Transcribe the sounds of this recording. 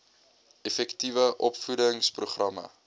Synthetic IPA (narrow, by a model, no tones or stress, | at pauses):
ɛfɛktivəʔɔpfudəŋspruχrɐmə̰